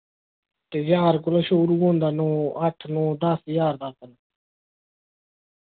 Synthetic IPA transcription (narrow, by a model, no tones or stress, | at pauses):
t̪eːd͡ʒaːɾkʊlõːʃoːɾuːɡõːnd̪aːnõːəʈʰnõːd̪əsjaːɾd̪aːt̪ənː